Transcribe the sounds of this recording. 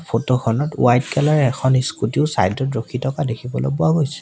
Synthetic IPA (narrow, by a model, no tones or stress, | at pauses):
pʰotoxʰɔnɔtṵajtkɛlaɹɛɛkʰɔniskutiʊsa̰jdɔtɹokʰitʰɔkadekʰibɔlo̰pɔaɡojsɛ̥